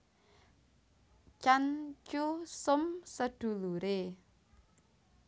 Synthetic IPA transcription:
t͡ʃant͡ʃusʊmsəɖ̪̥ṳluɾe

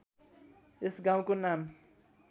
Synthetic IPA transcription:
esɡãw̃konam

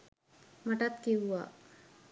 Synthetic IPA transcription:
maʈat̪kewʋa̰

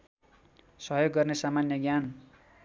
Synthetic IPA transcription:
sʌɦjoɡːʌrnesamanjʌɡjan

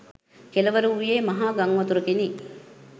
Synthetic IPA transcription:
kelɐʋɐɾuujeːmɐɦaːɡɐŋʋɐt̪uɾɐkeni

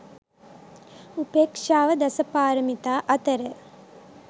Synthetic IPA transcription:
upeːkʂaːʋɐd̪ɐsɐpaːɾɐmit̪aːʔɐt̪ɐɾə

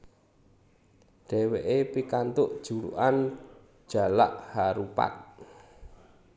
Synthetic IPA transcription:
ɖ̥ɛ̤weʔepikant̪ʊʔd̥ʒ̥ṳɾṵʔan | d̥ʒ̥a̤la̰ʔhaɾupa̰t̪̚

